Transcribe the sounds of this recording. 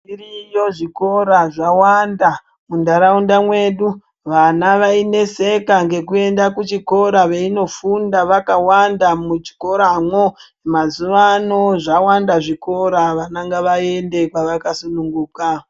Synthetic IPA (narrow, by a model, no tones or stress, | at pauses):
irijo̞ʐiko̞ɾaʐawanda | mundaɾaundamwe̞ɗu | ʋanaʋaine̞se̞kaŋɡe̞kue̞ndakut͡ʃiko̞ɾaʋe̞ino̞fundaʋakawandamut͡ʃi̥ko̞ɾamwo̞ | emazuʋano̞ʐawandaʐiko̞ɾaʋanaŋɡaʋae̞nde̞kwaʋakasunuŋɡuːka